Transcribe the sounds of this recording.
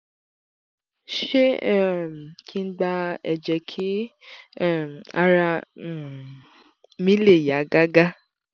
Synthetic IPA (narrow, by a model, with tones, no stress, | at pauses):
ʃe˦˨m˨kʰi˦n̩˦ɡ͡ba˧ɛ˨d͡ʒɛ˨kʰi˦˨ | a˦ɾã˧˦˨ | mĩ˦le˦˨ja˨˦ɡa˦ɡa˦